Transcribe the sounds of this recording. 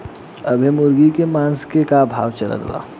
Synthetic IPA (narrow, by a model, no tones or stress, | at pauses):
əbʱimʊɾɡikemãːnskekabʱa̰ːʋt͡ʃəla̰d̪̰la̰ː